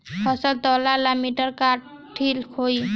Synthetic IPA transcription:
hʰʌsəlt̪ɔlalamiʈəɾka | ʈʰːilkʰoi

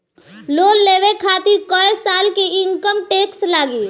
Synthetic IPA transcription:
loːlːeːʋekʰaːt̪ɪɾkɔːesaːlkiɪ̃ŋkəmʈeːkslaːɡiː

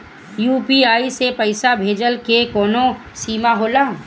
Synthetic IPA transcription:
juːpiaːisepəɪsabʱeːd͡ʒəlkekɔːnõ | siːmaɦoːlaː

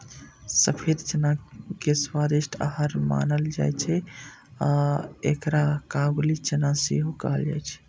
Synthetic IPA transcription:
səpʰeɾt͡ʃənakeswad̪eʃʈʰa̰ɦəɾma̰nəld͡ʒa̰jt͡ʃʰɛaekɾakablit͡ʃənasḭɦukəɦəld͡ʒa̰jt͡ʃʰɛ̥

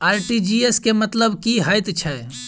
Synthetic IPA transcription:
aɾʈid͡ʒieskemət̪ləbkiɦəjt̪t͡ʃʰɛ

